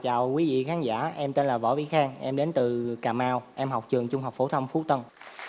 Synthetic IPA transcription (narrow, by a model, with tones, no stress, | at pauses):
t͡ɕaː˨˩wkwi˨˦vḭ˧˨xaː˨˦nza̰ː˧˩ʔɛ˧mt̪e˧nlaː˨˩vɔ̰˧˥vḭ˧˨˦xaː˧ŋʔɛ˧mɗe˨˦nt̪ɨ˨˩kaː˨˩maː˧wʔɛ˧mɦa˨˩wk͡p̚t͡ɕɨ˨˩əŋt͡ɕʊ˧ŋ͡mɦa˨˩k͡p̚fo˧˩t̪ʰə˧wŋ͡mfu˨˦˥t̪ə˧n